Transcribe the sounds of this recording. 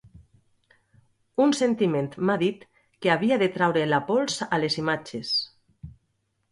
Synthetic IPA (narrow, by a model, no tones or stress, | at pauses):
unsent̪iment̪maðit̪ | keaβ̞iaðet̪ɾawɾelapolsalezimat͡ʃes